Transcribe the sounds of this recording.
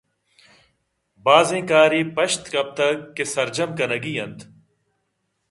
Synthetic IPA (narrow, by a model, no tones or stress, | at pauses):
baːzẽːkaːɾiːpɐʃt̪kɐb̚t̪ɐkːesɐɾd͡ʒɐmkɐnɐɡiːɐ̃nt̪